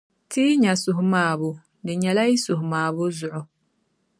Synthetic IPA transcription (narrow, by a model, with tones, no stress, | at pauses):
tiː˦ɲa˨sʊ˨ɦʊ˦maː˨bʊ˨ | dɪ˨ɲɛ˨la˦i˦sʊ˨hʊ˨maː˨bʊ˦zʊ˨ʔʊ˨